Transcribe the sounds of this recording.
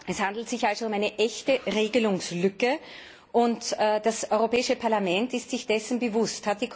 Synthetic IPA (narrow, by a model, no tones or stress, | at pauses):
ɛshandl̩tz̥ɪçalzoʊmaɪnəʔɛçtəʁeːɡəlʊŋslʏkə | ʔʊntːd̥asɔʏʁopɛːɪʃəpʰaɐlamɛntɪstz̥ɪçd̥ɛsn̩bəvʊsthat̚d̥iːkʰ